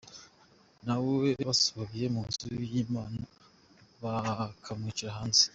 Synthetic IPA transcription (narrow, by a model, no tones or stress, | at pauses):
naweβaso̥βaβije̞muːnzujiːmaːna | βakʰamŋiciɾaɦaːnze̥